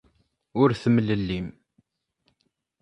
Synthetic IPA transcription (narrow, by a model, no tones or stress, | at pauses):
ʊɾθəməlːəlːim